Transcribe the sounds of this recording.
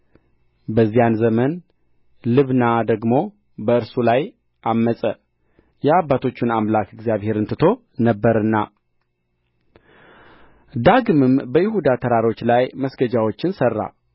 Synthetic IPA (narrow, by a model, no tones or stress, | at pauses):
bəzːijanzəmən | lɨβnad̪əɡmo̞ | bəɨɾsulaj | ʔamːəsʼə | jɛabːat̪ʰo̞t͡ʃːɪnamlakɨɡzijaβhe̞ɾɨnt̪ʰɨt̪ʰo̞ | nəbːəɾɨnːa | d̪aɡɨmɨmbəjɪhud̪at̪ʰəɾaɾo̞t͡ʃːlajməsɡəd͡ʒawo̞t͡ʃːɪnsərːa̰